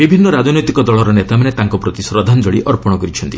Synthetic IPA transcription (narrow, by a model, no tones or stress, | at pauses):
bibʱinːɔɾad͡ʒɔnɔjt̪ikɔd̪ɔɭɔɾɔnet̪amanet̪aŋkɔpɾot̪isɾɔd̪ʱanɔd͡ʒɔɽiʔɔɾpɔɽ̃ɔkɔɾit͡ʃʰɔnt̪i